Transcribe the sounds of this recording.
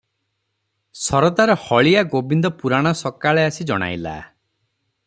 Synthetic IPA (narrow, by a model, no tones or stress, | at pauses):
sɔɾɔd̪aɾɔhɔɭijaɡobind̪ɔpuɾaɽ̃ɔsɔkaɭeasid͡ʒɔɽ̃a̰jla̰